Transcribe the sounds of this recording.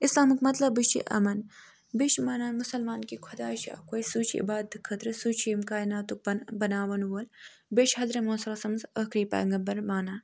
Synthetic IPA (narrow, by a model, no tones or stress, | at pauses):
islaːmɨkmɐt̪lɐbɨt͡ʃḭʔɐ̰mɐn | biʃmaːnaːnmusɐlmaːnkikʰɐd̪aːʃa̰ːkoːjsuːt͡ʃʰiḭbaːd̪̚ɨkʰɐt̪ɾɨsuːt͡ʃʰimkaːinaːt̪ubnbɐnaːʋɐnwoːl | beʃɦɐzɾɐmoːsɐlɐsɐmzɐhkɾiːpa̰ːŋɡɐbɐɾmaːnaː